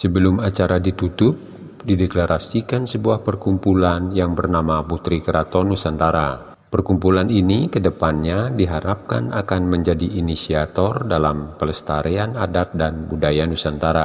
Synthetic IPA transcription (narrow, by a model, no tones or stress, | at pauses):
səbəlʊmat͡ʃaɾadit̪ut̪ʊp̚ | dideklaɾʔasikansəbuahpərkumpulanjaŋbərnamaput̪ɾikəɾat̪ɔnusant̪aɾa | pərkumpulaninikədəpanɲadiɦaɾap̚ka̰nakanməɲd͡ʒadiʔːnisiat̪ɔrdalampələst̪aɾeanadap̪̚danbudajanusant̪aɾa